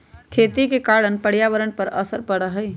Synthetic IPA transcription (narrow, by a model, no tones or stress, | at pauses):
kʰeːt̪ikekaɽənpəɽjaʋəɾənpəɾə̰səɾpəɽəɦəɪ